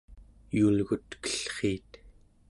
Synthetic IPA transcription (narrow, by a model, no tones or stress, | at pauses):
julɣut̪kə̥ɬχiːt̪